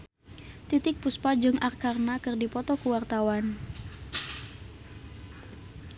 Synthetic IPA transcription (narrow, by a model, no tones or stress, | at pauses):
t̪it̪ɪk̚puspad͡ʒɨŋʔarkarnakɨrdipɔt̪ɔkuwart̪awan